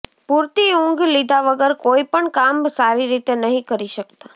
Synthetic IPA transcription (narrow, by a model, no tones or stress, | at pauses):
puɾt̪iũŋɡlid̪ʱaʋəɡəɾkoipəɳkamsaɾiɾit̪enəɦĩkəɾiʃəkt̪a